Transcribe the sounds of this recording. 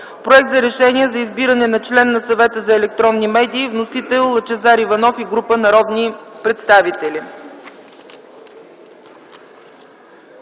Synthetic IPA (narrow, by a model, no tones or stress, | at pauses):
pɾoɛk̚t̪zɐɾɛʃɛniɛzɐizbiɾənɛnɐt͡ʃlɛnːɐsɐvɛt̪əzɐɛlɛk̚t̪ɾɔnːimɛd̪iːvnosit̪ɛlˠːɐt͡ʃɛzaɾivɐnɔfiɡɾupənɐɾɔd̪nipɾɛt̪st̪avit̪ɛli